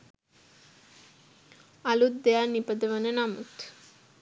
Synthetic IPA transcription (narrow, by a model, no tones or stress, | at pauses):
ɐlut̪̚d̪ejanipɐd̪ɐʋɐnenamut̪